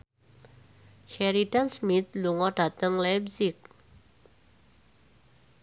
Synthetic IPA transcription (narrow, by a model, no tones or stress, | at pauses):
ʃɛɾit̪ansmɪt̪̚luŋɔɖ̥a̤t̪əŋlapsɪk̚